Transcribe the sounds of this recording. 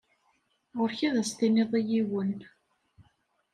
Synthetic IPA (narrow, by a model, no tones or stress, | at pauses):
ʁʊɾçæðæst̪ineðˤijiwən